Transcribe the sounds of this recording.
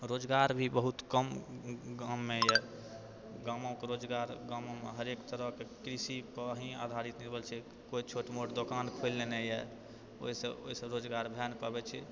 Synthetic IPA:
ɾod͡ʒɡaɾbʱibəɦut̪kəmɡãmːejɛ | ɡamõkeɾod͡ʒɡaɾɡãmõmḛɦəɾekt̪əɾəɦkekɾisipəɦĩa̰d̪ʱaɾit̪niɾbəlt͡ʃʰɛ | koit͡ʃʰoʈmoʈd̪okankʰojlːenejɛ | o̰ɦisəo̰isəbɾod͡ʒɡaɾbʱɛnpəbɛt͡ʃʰɛ

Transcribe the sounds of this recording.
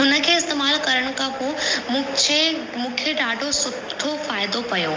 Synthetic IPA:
ɦʊnə̆kʰeːɪst̪eːmaːlkɐɾəɽ̃ʊ̆kʰãpoũt͡ɕʰe | mũːkʰeɖaːɖʱosʊʈʰːofaːɪd̪opɐjoː

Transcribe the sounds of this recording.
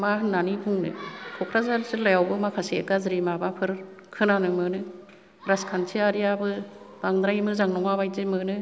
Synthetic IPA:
maɦɯnːanibʰuŋnɯ̰kʰɔkʰɾazaɾzɯlajawbɯmakʰasiḛkazɯɾimabapʰɯɾ | kʰɯnanɯmɯnɯ | ɾaskʰantʰiaɾijabɯ | b̥aŋd̪ɾajmɯzaŋnɔŋabajzɯmɯnɯ

